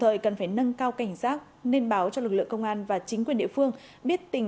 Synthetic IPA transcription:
ŋ͡mt̪ʰəː˨˩jkə˨˩nfaː˧˩jnə˧nkaː˧wka˧˩jŋ̟saː˦˥k̚ne˧nɓaː˨˦wt͡ɕɔ˧lɨ˨˩k̚lɨ̰˧˨əŋkə˧wŋ͡mʔaː˧nvaː˨˩t͡ɕï˨˦ŋ̟kwi˨˩əɗi˧˨fɨ˧əŋ | ɓi˦˥ət̚t̪ï˨˩ŋ

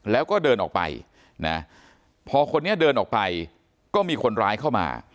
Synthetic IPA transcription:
lɛː˦˥wkɔː˥˩dɤː˧nʔɔ̰ː˨˩k̚pa̰˧j | na̰˦˥ | pʰɔː˧kʰo˧nːi˥ɐdɤː˧nʔɔː˨˩k̚pa˧j | kɔː˥˩miː˧kʰo˧nɾaː˦˥jkʰa˥˩wma̰ː˧

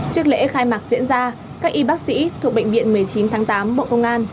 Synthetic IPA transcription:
t͡ɕɨ˦˥ək̚lḛ˧˥xaː˧jmaː˨˩k̚zḭ˧˥ənzaː˧ | kaː˦˥k̚ʔi˧ɓaː˦˥k̚sḭ˧˥t̪ʰu˨˩ək̚ɓə̰˧˨ŋɓvḭ˧˨ənmɨ˨˩əjt͡ɕi˨˦nt̪ʰaː˨˦ŋt̪aː˨˦mɓo̰˧˨kə˧wŋ͡mʔaː˧n

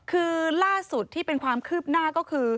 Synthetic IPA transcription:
kʰɯː˧laː˥˩su˨˩t̪ʰːiː˥˩pe˧nkʰwaː˧mkʰɯː˥˩p̚naː˥˩kɔː˥˩kʰɯː˧

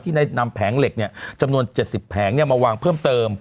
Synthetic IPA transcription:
t̪ʰiː˥˩na˧˥˩na˧mpʰɛː˩˦ŋle˨˩k̚ni˥˩ɐt͡ɕa˧mnu˧ənt͡ɕe˨˩t̪̚si˨˩pʰːɛː˩˦ŋja˧ŋmaː˧waː˧ŋpʰɤː˥˩mt̪ɤː˧m

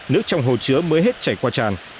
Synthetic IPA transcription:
nɨ˦˥ək̚t͡ɕɔ˧wŋ͡mɦo˨˩t͡ɕɨ˨˦əməː˨˦jɦe˦˥t̚t͡ɕaː˧˩jkwaː˧t͡ɕaː˨˩n

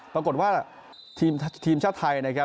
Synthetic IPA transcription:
pɾa˧ko˨˩t̪̚waː˥˩ | t̪ʰiː˧mt̪ʰiː˧mt͡ɕʰaː˥˩t̪ʰa˧jna˧˥kʰa˦˥

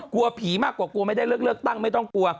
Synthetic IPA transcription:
ku˧ɐpʰiː˨˩˦maː˥˩kːwaː˨˩ku˧ma˥˩jda˥˩jlɯ˥˩ək̚lɯ˥˩k̚t̪a˥˩ŋma˥˩jt̪ɔ˥˩ŋku˧ɐ

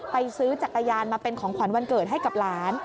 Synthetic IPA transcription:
pa˧jsɯː˦˥t͡ɕa˨˩k̚ːa˧jaː˧nmaː˧pe˧nkʰɔː˩˦ŋkʰwa˩˦nwa˧nkɤː˨˩t̪̚ɦa˥˩jka˨˩p̚laː˦˥n

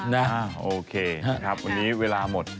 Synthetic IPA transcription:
na˦a˧˩ʔoː˧kʰeː˧kʰa˦˥p̚wa˧nːiː˦˥weː˧laː˧mo˨˩t̪̚

